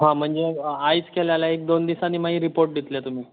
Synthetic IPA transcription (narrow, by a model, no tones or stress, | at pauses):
ɦãm̤əɳd͡zeajt͡skeljalaek̚d̪ond̪isaniːmaɦĩɾipoɾʈ̚d̪it̪let̪um̤iː